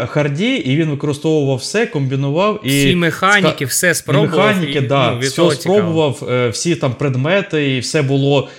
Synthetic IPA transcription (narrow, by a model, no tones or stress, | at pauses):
xɐrdʲiiʋʲinʋɪkɔɾɪst̪ɔʋʊʋɐwsɛkɔmʲbʲinʊʋɑwiimexanʲkikʲɪsɛspɔmexɑnʲikɪd̪ɑsʲɔpɾɔbʊʋɐwwsʲit̪ɑmpɾed̪mɛt̪ɪiwsɛbʊlˠɔ